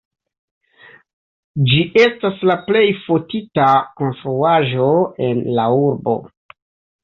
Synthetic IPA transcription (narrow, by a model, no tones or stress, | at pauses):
d͡ʒiʔe̞staslaple̞jfotitako̞nstɾuaʒo̞e̞nlauɾbo̞̰